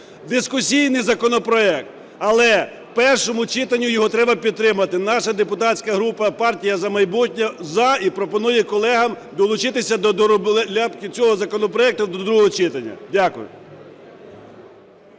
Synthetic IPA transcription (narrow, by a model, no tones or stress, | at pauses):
d̪ɪskʊsʲijnɪjzɐkɔnɔpɾɔɛk̚t̪ | ɐlˠɛ | pɛrʃɔmʊt͡ʃɪt̪ɐnʲːʊjɔɦɔt̪ɾɛbɐpʲid̪t̪ːɾɪmɐt̪ɪnɑʃɐd̪epʊt̪ɑt͡sʲsʲkɐɦɾupɐpɑrtʲijɐzɐmɐjbutʲnʲɐzɐipɾɔpɔnujɛkɔlˠɛɦɐm | d̪ɔlˠʊt͡ʃɪt̪ɪsʲɐd̪ɔd̪ɔɾɔblˠlʲapkɪt͡sʲɔɦɔzɐkɔnɔpɾɔɛk̚t̪ʊd̪ɔd̪ɾuɦɔɦɔt͡ʃɪt̪ɐnʲːɐ̰dʲakʊjʊ̰